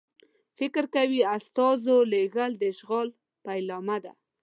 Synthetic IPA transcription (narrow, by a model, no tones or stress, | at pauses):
fɪkɾkawiast̪ɑzoleɣəld̪əʃɣɑl | pajlɑmad̪a̰